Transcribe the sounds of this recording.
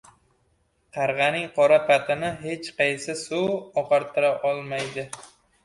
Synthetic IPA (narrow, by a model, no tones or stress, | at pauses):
qʰɑɾʁɑnɪŋqʰɒɾapʰat̪ʰɪnɪɦe̞t͡ʃqʰɑjsɪsuɒqɑɾt̪ʰɪɾaʔɒlˠmajd̪ɪ